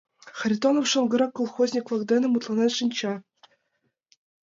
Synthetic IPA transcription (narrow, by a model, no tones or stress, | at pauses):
χrʲit̪onofʂɤ̆nɡɤ̆ɾɑkːulˠxozʲnʲiklˠɑɡd̪enɘ̆mut̪lˠɑnɑt̪ʲʂinʲt͡ɕɑ